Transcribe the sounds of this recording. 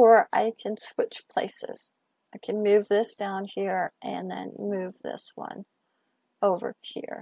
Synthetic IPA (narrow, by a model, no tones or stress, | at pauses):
ə˞ʔaɪkʰɨ̃nswɪt͡ʃpʰl̥ḛɪsɪ̰z̥ | aɪkʰɨ̃nmʉvðɪsd̥ãʊ̃nhiɹʔɨ̰̃nðɨ̰̃nmʉvðɪ̰swʌ̰̃n | oʊvə̰˞hḭɹ